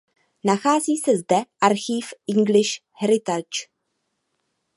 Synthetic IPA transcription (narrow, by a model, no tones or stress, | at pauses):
naxaːziːsɛzdɛʔaɾxiːfʔɪŋɡlɪʃ | hɛɾɪt̪at͡ʃ